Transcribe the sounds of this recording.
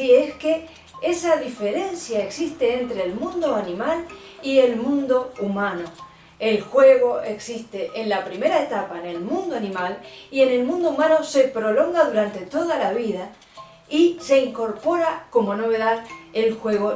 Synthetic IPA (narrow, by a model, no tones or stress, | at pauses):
ieske | e̞saðife̞ɾe̞nsjaeksist̪eent̪ɾeːlmũnd̪oanĩmal | ie̞lmũnd̪o̞umãno̞ | e̞lxwe̞ɣo̞ʔeksist̪eʔenlapɾime̞ɾaet̪apaene̞lmũnd̪oanĩmalie̞ne̞lmũnd̪oumãno̞se̞pɾo̞lo̞ŋɡaðuɾant̪et̪o̞ðalaβiða | ise̞iŋko̞ɾpo̞ɾako̞mo̞no̞βe̞ðaðelxwe̞ɣo